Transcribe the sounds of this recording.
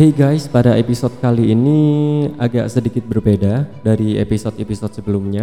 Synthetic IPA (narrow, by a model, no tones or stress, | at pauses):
eɡajspadaʔepisɔt̪̚kaliːniaɡa̰ʔsədikɪt̪̚bərbedadaɾiḛpisɔt̪episɔt̪̚səbəlʊmɲa